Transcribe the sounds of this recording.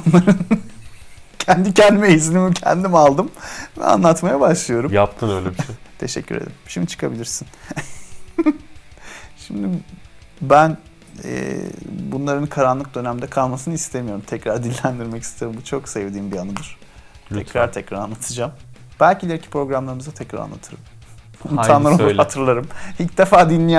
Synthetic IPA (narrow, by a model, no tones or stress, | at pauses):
unlˠaɾɯn | cʰɛnd̪icʰɛnd̪imeizinimicʰɛ̰nd̪imalˠd̪ɯmvɛ̰a̰nlˠat̪majabaʃlˠɯjo̞ɾumjap̚t̪ʰɯnøjlʲebt̪ʰe̞ʃɛ̰cːyɾḛd̪imʃimit͡ʃʰɯ̥kʰabilʲiɾsin | ʃimd̪i | bæn | ɛ̰bunlˠaɾɯnkʰaɾanlˠɯk̚d̪ø̞næmd̪ɛkʰalˠmasɯnɯist̪ʰemijo̞ɾumt̪ʰɛcɾaɾd̪ilʲːænd̪iɾmɛci̥st̪ʰe̞ɾimbut͡ʃʰo̞ksevd̪iːmbianɯd̪ɯɾ̥ | t̪ɛtɾaɾt̪ʰɛcɾaɾanˠat̪ʰɯd͡ʒamb̥ælʲcilʲeɾicʰi̥pɾo̞ɡɾamlˠaɾɯmɯzat̪ʰɛcɾa̰ɾa̰nːˠa̰t̪ʰɯɾɯm | inʰaːnˠaɾoat̪ʰɯɾlˠaɾɯmicd̪efaːd̪inlʲij